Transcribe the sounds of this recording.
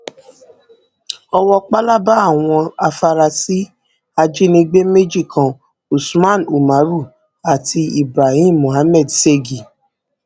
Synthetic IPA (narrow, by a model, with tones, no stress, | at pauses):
ɔ˧wɔ˧k͡pa˦la˦ba˦a˦˨w̃ɔ̃˧a˧fa˧ɾa˧si˦ | a˧d͡ʒi˦nĩ˧ɡ͡be˦me˦d͡ʒi˦˨kʰã˨ | u˨smã˦˨nu˨ma˨˦ɾu˦˨ | a˨tʰi˧i˨bɾa˨hĩː˦˨õ˨ɦa˨˦mɛ˦˨dse˦˨ɡi˨